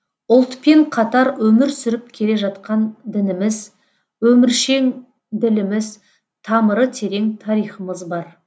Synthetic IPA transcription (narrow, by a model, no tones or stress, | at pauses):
ʊlˠt̪pe̞ɴqʰɑt̪ɑɾwɵmɪɾsʏɾɪp̚kʲʰe̞le̞ʒɑt̪qɑnd̪ɪnɪmɪz | wɵmɪɾʃe̞ŋ | d̪ɪlɪmɪz | t̪ʰɑməɾət̪ʰe̞ɾe̞ŋt̪ʰɑɾijχəməzbɑɾ